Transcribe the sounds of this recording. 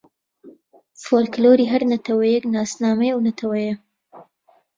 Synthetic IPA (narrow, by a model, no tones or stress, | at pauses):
foːlkloːɾiːɦɐɾnɐt̪ʰɐwɐjɛknaːsnaːmɐjwnɐt̪ʰɐwɐjɐ